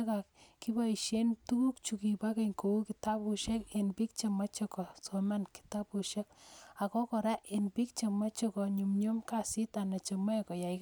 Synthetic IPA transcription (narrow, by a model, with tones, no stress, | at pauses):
ka˨kki˦ba˦i˨ʃe˦ntu˦ku˦kt͡ʃu˨ki˨pa˦ke˦˨ŋko˨u˦ki˨ta˦pu˦ʃɛ˦ke˨npi˦k̚t͡ʃe˨ma˦t͡ʃɔ˦kɔ˨so˨ma˦nki̥˨ta˦pu˨ʃe˦ka˨kɔ˦kɔ˨ɾa˦ʔe˨npi˦k̚t͡ʃe˨ma˦t͡ʃɔ˦kɔ˨ɲu˨mɲo˦mka˨si˦ta˨na˨t͡ʃe˨ma˦kɔ˨ja˨i˦k